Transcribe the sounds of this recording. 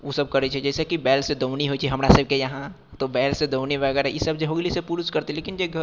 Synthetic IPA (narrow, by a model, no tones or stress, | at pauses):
ʋosɐbkɐɾet͡ʃʰɛd͡ʒɛːsekibɛːlsed̪oʊniɦoit͡ʃʰiɦɐmɾasɐb̚kejɐɦã | t̪obɛːlsed̪oːʊniʋəɡɛɾajisɐb̚d͡ʒeɦoɡlisepuːɾʊskɐɾt̪eleːkɪnd͡ʒeɡ